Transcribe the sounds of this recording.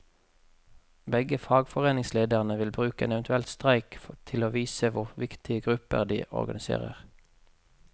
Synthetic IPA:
bɛɡəfɑːɡfɔʁeːnɪŋsleːd̪əʁnəʋɪlbʁʉːkəḛːnɛʋənt̪ʉɛlt̪st̪ʁæɪkt̪ʰɪloːʋiːsəʋʊʁʋɪkt̪ʰɪəɡʁʉpə̰ʁd̪ḭːʔɔ̰ʁɡɑnɪsḛːʁə̰ʁ

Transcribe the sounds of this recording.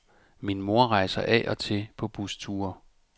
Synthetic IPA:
minmo̝ɐ̰ʁɑ̈ɪsɐʔɛ̰ʔɒ̽t͡sʰe̝pʰɒ̽b̥ust͡sʰuːɐ

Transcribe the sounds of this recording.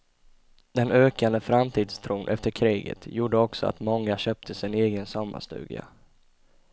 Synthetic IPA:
d̪̥ɛnøːkand̪əfɾamt̪ʰiːd̪st̪ʰɾuːnʔɛft̪əɾkʰɾiːɡə̰t̪juːɖəɔksɔa̰t̪mɔŋːaɕøːp̚t̪ʰəsɪneːɡənsɔmːa̰st̪ʉ̟ːd̪ɪa̰

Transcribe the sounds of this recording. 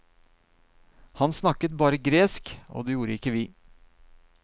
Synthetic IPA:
hɑnsnɑkət̪̚bɑːɾəɡɾeːsko̰ːd̪ɛːjuːɾəɪkːəʋiː

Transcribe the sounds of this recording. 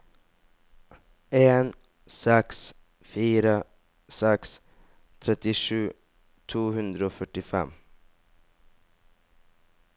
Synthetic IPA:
eːn | sɛks | fiːɾa | sɛks | t̪ʰɾɛt̪ːɪʂʉ̟ː | t̪ʰuːhɵnd̪ɾaɔfœʈːɪfɛ̰mː

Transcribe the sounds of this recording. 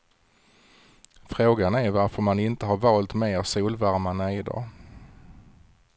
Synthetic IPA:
fɾoːɡanæɾvaɾfœɾmanɪnt̪əɦaɾvɑːlt̪meːɾsuːlvaɾmanɛɪd̪ɑ̰ː

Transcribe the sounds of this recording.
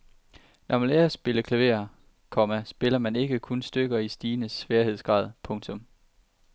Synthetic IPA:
nʔɒmæleɐsːb̥e̝ləkʰlæʋe̝̰ːɐ | kʰɒ̽mæsb̥e̝lɐmæne̝ɡ̥əkʰonsd̥øɡ̥ɐisd̥iːnəsʋeːɐhe̝ð̞̰ˠsɡ̥ʁɑ̰̈ːð̰ˠpʰɔ̽ŋt͡sʰɔ̽m

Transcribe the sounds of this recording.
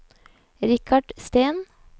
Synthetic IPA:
ɾɪkʰɑɖ̥st̪eːn

